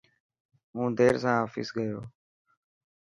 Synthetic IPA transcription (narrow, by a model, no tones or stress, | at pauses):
ɦũːd̪ʱeːɾsãːɦaːfḭsɡəjoː